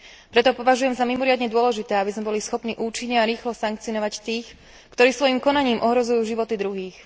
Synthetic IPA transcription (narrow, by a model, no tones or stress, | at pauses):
pɾɛt̪ɔpɔʋaʒujɛmzamimɔɾɪad̪ɲɛd̪ʊɔlɛʒit̪ɛːabizmɛbɔlisxɔpniːʔuːt͡ʃiɲɲɛaɾiːxlɔsaŋk̚t͡sinɔʋact̪iːx | kt̪ɔɾiːsʋɔjimkɔnaɲiːmʔɔɦɾɔzujuːʒiʋɔt̪id̪ɾuɦiːx